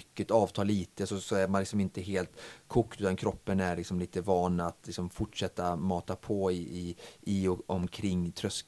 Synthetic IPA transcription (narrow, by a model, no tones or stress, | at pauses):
kːət̪ɑːvt̪ʰɑːlːiːt̪əsɔsɔæɾmanlɪksɔmɪnt̪əɦeːlt̪kʰʊkːt̪ʉːt̪ankʰɾɔpːənæɾɭɪksɔmliːt̪əvɑːnat̪lɪksɔmfʊʈʂɛt̪ːamɑːt̪apʰɔɪɪɪɔmkʰɾɪŋːt̪ʰɾœsk